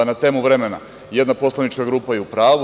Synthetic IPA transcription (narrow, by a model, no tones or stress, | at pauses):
nat̪eːmuʋɾe̞mena̰ | je̞d̪napo̞slˠanit͡ʃkaɡɾuːpajeupɾaːʋu